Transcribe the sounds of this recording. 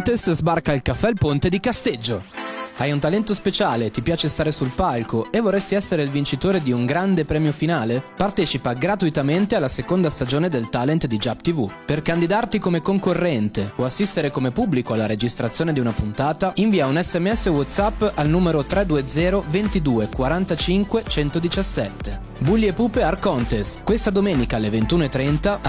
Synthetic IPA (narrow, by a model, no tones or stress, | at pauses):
t̪eszbarkailkafːɛlpont̪ed̪ikast̪ed͡ʒːoajunt̪alɛnt̪ospet͡ʃaːlet̪ipjaːt͡ʃest̪aːɾesulpalkoevːorːɛst̪iɛsːeɾeilvint͡ʃit̪oːɾed̪iuŋɡɾand̪epɾɛːmjofinaːlepart̪ɛːt͡ʃipaɡɾat̪uit̪ament̪ealːasekond̪ast̪ad͡ʒoːned̪elt̪alent̪d̪id͡ʒapt̪ivuperkand̪id̪art̪ikomekoŋkorːɛnt̪eoasːist̪eɾekomepubːlikoalːaɾed͡ʒist̪ɾat̪sːjoːned̪iunapunt̪aːt̪aiɱviːaunɛsːɛmːeɛsːewɔt̪sapːalnuːmeɾot̪ɾɛd̪uːed̪zɛːɾovent̪id̪uːekwaɾant̪at͡ʃiŋkwet͡ʃɛnt̪od̪it͡ʃasːɛt̪ːe | bulːiepuːpearkɔnt̪eskwest̪ad̪omeːnikaalːevent̪uːnoet̪ːɾɛnt̪a